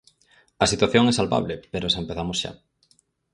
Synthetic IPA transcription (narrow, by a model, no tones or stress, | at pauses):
ɐsit̪waθjoŋɛsalβa̰βlepeɾosaempeθamosʃa̰